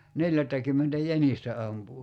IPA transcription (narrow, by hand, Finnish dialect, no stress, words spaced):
neljætːækymːentæ jænistæ ɑmpu